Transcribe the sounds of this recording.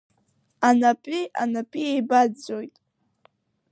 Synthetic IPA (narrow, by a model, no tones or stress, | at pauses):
anapʼiʔa̰napʼiejbadd͡zo̞jtʼ